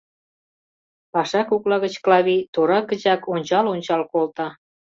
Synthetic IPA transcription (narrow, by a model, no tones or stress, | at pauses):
pɑʃɑkuklɑɣət͡ɕklɑβit̪oɾɑkə̆t͡ɕɑkonʲt͡ɕɑlonʲt͡ɕɑlkolt̪ɑ